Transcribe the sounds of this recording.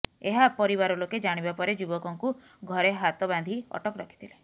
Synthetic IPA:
eɦapɔɾiβaɾɔloked͡ʒaɽ̃ibapɔɾed͡ʒubɔkɔŋku | ɡʱɔɾeɦat̪ɔband̪ʱiɔ̰ʈɔkɔɾɔkʰi̥t̪ʰile

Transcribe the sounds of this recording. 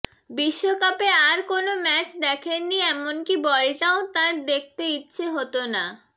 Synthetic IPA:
biʃːokapeaɾkonomɛt͡ɕd̪ɛkʰenːiɛmonkibɔɭeʈaot̪aɾd̪ek̚ʰt̪eitːɕʰeɦot̪ona

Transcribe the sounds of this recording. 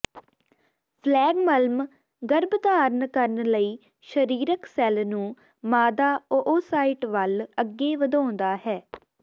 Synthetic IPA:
pʰlɛːɡməlm | ɡəɾbd̪aːɾənkəɾənləiː | ʃəɾiːɾəksɛlnũː | maːd̪aːoʔoːsaːɪːʈʋələɡːeːʋəd̪ãːnd̪aːɦɛː

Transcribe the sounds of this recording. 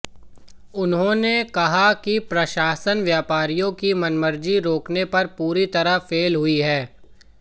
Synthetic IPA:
ʊnɦõnekɐɦakipɾɐʃaːsənʋjaːpaːɾijõkimɐnməɾd͡ʒiɾoːknepɐɾpuːɾit̪ɐɾəfeːlɦʊiɦɛː

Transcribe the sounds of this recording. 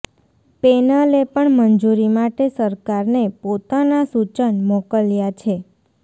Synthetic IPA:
penəlepəɳmənd͡ʒuɾimaʈesəɾkaɾnepot̪anasut͡ʃənmokəljat͡ʃʰe

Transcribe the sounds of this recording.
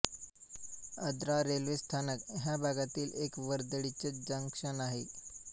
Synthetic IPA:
əd̪ɾaɾelʋest̪ʰanəkɦjabʱaɡat̪iːlekʋəɾd̪əɽit͡sed͡ʑəŋkʂənaɦe

